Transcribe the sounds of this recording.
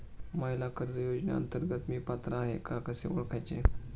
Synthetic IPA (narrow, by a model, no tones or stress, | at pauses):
majlakəɾd͡zəjod͡ʑnja̰ə̰nt̪əɾɡət̪miːpat̪ɾaaɦḛkakəsḛʋoɭkʰajt͡ɕḛ